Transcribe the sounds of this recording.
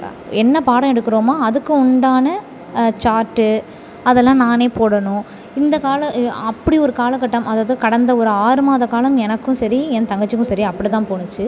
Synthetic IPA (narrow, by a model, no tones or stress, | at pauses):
ɛnːɐpaːɽɐ̃ɛɽɯkːɯɾoːmaːɐðɯkːɯ̃ʊɳɖaːnɐ | t͡ʃaːɾʈːɯ | ɐðɛlːãːnaːneːpoːɽɐnʊ̃ | ɪnd̪ɐkaːlɐɐpːɐɽiɔɾɯkaːlɐkːɐʈːɐmɐðaːɐðɯkɐɽɐnd̪ɐɔɾɯaːɾɯmaːðɐkaːlɐmɛnɐkːʊ̃sɐɾiɛnt̪ɐŋɡɐt͡ʃːɯkːʊ̃sɐɾiɐpːɐɽit̪ãːpoːnɯt͡ʃːɯ